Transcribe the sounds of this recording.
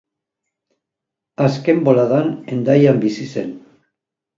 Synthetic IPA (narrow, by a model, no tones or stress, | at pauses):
aske̞mbo̞laðanend̪ajambisise̞̰n